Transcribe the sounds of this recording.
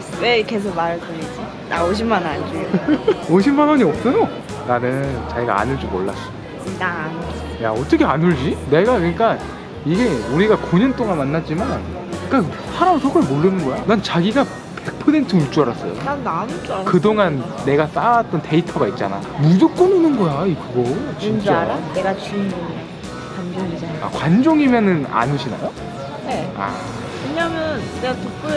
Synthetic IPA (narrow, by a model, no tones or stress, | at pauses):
wekes̬ʰomaɾɡoɲid͡ʑi | na̰oɕ̬ʰimanaɲd͡ʑiooɕ̬ʰinbanʌɲiʌp̚s͈ʌno | nanenɯnt͡ɕaɡiɡa̰a̰nuɭd͡ʑumːo̰ɭːa̰s͈o | nan | ja̰ʌt͈ʌkʰeanuɭd͡ʑine̞ɡakɯɲik͈a | iɡe̞uɾiɡakoɲʌnt͈oŋanmanːad͡ʑiman | ɯk͈a | sʰaɾamɯsʰokʰʌɭmoɭːɯnɯnɡʌjonant͡ɕaɡiɡa | pe̞k̚pʰʌsʰe̞ntʰɯmut͡ɕ͈uaɾas͈ʌ̰jo̰nananut͡ɕ͈kɯdoŋanːe̞ɡas͈awat͈ʌnte̞itʰʌɡait̚t͡ɕ͈a̰na̰mud͡ʑok͈ɯnɯnɯnɡʌjaikɯɡʌt͡ɕint͡ɕaneɡat͡ɕinoa | kwand͡ʑoŋiaa̰kwand͡ʑoŋimjʌnɯna̰nuɕʰina̰jo | ea̰ | kɯɲamjʌnneatup͈ʰɯ